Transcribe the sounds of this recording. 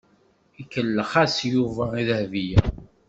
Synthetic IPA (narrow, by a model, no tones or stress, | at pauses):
ikːəlːəχæsjuvæiðəhvijæ